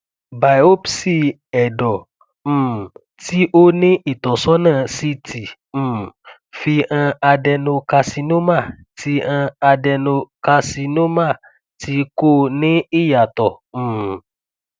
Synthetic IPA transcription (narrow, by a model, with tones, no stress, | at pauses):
ba˨jo˦psi˦ | ɛ˨dɔ˨ | m̩̃˦˨ | ti˦ʔo˦nĩ˦ʔi˨t̪ɔ˨sɔ˦nãː˦˨si˦ti˨ | m̩̃ː˦˨ | fi˧ã˧a˧dɛ˧nũ˧ka˧si˧nũ˦mã˦˨ | ti˧˦ã˧a˧dɛ˧nõ˧ka˧si˧nũ˦mã˦˨ | ti˨˦ko˦nĩ˦i˦ja˨t̪ɔ˨mũ˦˨